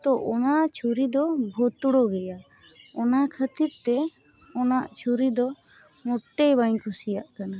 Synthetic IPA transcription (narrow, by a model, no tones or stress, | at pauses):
t̪ɔʔɔnat͡ʃʰuɾid̪ɔbʱɔt̪uɽɔɡɛja | ɔnakʰət̪iɾt̪ɛ | ɔnaʔt͡ʃʰuɾid̪ɔ | mɔʈːejbaɲkʰusijaʔkana